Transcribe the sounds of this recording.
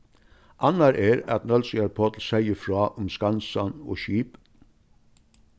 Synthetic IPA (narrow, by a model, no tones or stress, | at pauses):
ʔɑnɑɾʔeːɾɑt̪nœlsɪɑɾpʰɔt̪l̩sæɪəfɾɑːʔʊmskɑnsɑno̰ːʃiːp